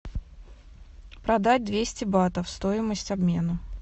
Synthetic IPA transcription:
pɾɐd̪at̚ʲd̪vʲesʲtʲɪbat̪əfst̪o̞ɪməsʲtʲɐbmʲe̞nə

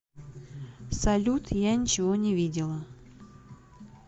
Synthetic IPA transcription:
sɐlʲut̪janʲɪt͡ɕɪvonʲɪvʲidʲɪlˠə

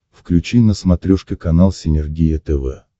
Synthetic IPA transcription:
fklʲʉt͡ɕinəsmɐt̪ɾʲoʂkʲɪkɐnalˠsʲɪnʲɪrɡʲijət̪ɛvɛ̰

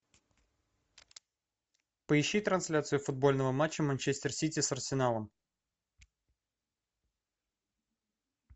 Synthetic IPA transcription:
pəɪɕːit̪ɾɐnsʲlʲat̪sɨjʊfʊd̪̚bo̞lʲnəvəmat͡ɕːəmɐnʲt͡ɕesʲt̪ʲɪrsʲitʲɪsɐrsʲɪnalˠəm

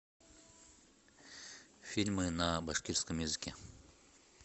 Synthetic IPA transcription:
fʲilʲmɨnabaʂkʲiɾskəmjɪzɨkʲe

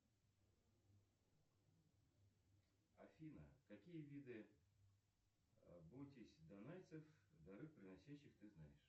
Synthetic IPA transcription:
ɐfʲinə̰kɐkʲijəvʲid̪ɨ | bujt̪ʲɪsʲd̪ɐnajt̪sɨfd̪ɐɾɨkpɾʲɪnɐsʲaɕːɪxt̪ɨznajɪʂ

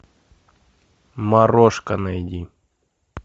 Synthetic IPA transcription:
maɾoʂkɐnajdʲi

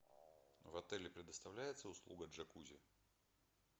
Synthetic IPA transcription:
vɐt̪ɛlʲɪpɾʲɪd̪əst̪ɐvlʲæjɪt̪səʊslˠuɡəʐɐkuzʲɪ̰

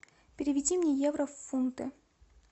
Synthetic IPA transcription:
pʲɪɾʲɪvʲɪdʲimnʲejevɾəfːunt̪ɨ̰

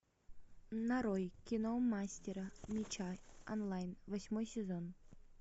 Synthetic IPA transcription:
nɐɾojkʲinomːasʲtʲeɾəmʲit͡ɕaɔnlˠajnvɐsʲmojsʲɪzon

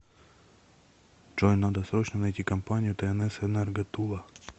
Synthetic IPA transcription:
t͡ʂojnːad̪ɐsɾot͡ɕnɐnɐjtʲikɐmpanʲɪjʊt̪ɛɛnɛsɛnɛrɡɐt̪ulˠɐ

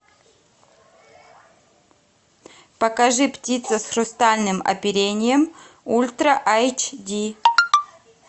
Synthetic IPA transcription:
pɐkɐʐɨptʲit̪səsxɾʊst̪alʲnɨmɐ̰pʲɪɾʲenʲɪjəm | ulʲt̪ɾəʔajt͡ʃd̪ʲi

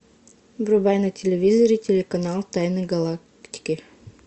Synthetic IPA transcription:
bɾubajnɨtʲelʲevʲizoɾʲitʲelʲekɐnalˠt̪ajnɨɡɐlˠak | t̪ʲi̥kʲi

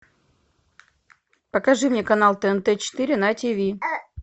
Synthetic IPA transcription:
pəkɐʐɨmnʲekɐn̪alˠt̪əɛnt̪ɛt͡ɕɪ̥t̪ɨɾʲɪnɐtʲivʲi

